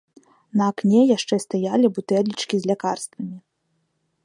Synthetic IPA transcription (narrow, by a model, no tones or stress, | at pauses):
nɐːknʲɛjaʂt͡ʂɛst̪ajalʲibut̪ɛlʲːit͡ʂkʲizʲlʲakarst̪vɐmʲi